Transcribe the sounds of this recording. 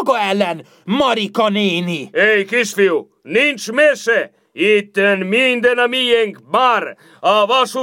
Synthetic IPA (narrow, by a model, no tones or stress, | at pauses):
ɡoɛlɛn | mɔɾikɔniːniejkisfiw | nint͡ʃmese | it̪ːenmind̪enamijeŋkmaɾ | avasu